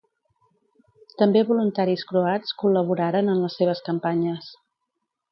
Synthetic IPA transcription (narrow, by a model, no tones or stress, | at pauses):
t̪əmbeβulunt̪aɾiskɾuat͡skuləβ̞uɾaɾənənləsːeβ̞əskəmpaɲəs